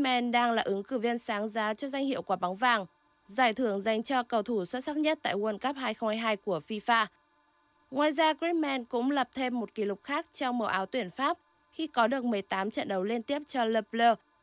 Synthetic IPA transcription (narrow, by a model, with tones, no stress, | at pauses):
mɛ˧nɗaː˧ŋlaː˨˩ʔɨ˨˦ŋkɨ˧˩vi˧ənsaː˨˦ŋzaː˨˦t͡ɕɔ˧zwa˧ŋ̟hḭ˧˨əwkwaː˨˩˦ɓa˨˦wŋ͡mvaː˨˩ŋ | zaː˧˩jt̪ʰɨ˧˩əŋza˨˩jŋ̟t͡ɕɔ˧kə˨˩wt̪ʰu˧˩swə˦˥t̚sa˦˥t̚ɲə˦˥t̚t̪a̰ː˧˨jwə˧˩nkə˦˥p̚haː˧jxə˧wŋ͡mhaː˧jɦaː˧jku˧˩əfi˧faː˧ | ŋwaː˨˩jzaː˧kɹi˦˥mɛ˧nkʊ̰˧˥ŋ͡mlə˨˩p̚t̪ʰe˧mːo˨˩t̚ki˨˦lʊ˨˩k͡p̚xaː˦˥k̚t͡ɕɔ˧wŋ͡mməː˨˩wʔaː˨˦wt̪wi˧˩ənfaː˦˥p̚ | xi˧kɔ˨˦ɗɨ˨˩ək̚mɨ˨˩əjt̪aː˨˦mt͡ɕə̰˧˨nɗə˨˦wli˧nt̪i˦˥əp̚t͡ɕɔ˧ləː˧˩pləː˧